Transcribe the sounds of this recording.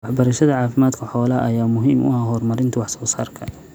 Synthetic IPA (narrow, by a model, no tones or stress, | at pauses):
wɑħbɐɾɐʃɐðɐʕɑːfɪmaːd̪kʰɐħɔːlɐʔɐjaːmʊɦiːmʊ̰ɦaɦɔrmɐɾɪnt̪ʰɐwɑħsɔːsaːrkʰɐ